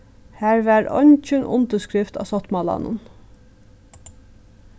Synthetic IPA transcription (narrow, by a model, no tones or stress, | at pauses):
hæːɹʋæːɹɔ̰nc͡çənʔʊ̰nd̪əskɹɪft̪ɑ̰ːsɔt̪mɑlɑ̰nə̰n